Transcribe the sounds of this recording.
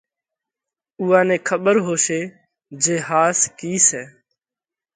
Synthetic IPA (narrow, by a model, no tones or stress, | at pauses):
uːãːnẽːkʰəɓəɾɦoːʃeː | d͡ʒeːhaːskiːsɛː